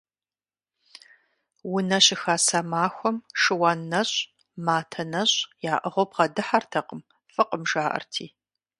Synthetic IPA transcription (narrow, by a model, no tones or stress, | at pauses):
wʊnɐɕɪxaːsamaːxʷɔmʂɨwaːnːɐɕʼ | maːtʰɐnɐɕʼjaːʔəʁowpqɐdɨħartʰɐqəm | fɨqʼəmʒaːʔɐ̰rtʰiː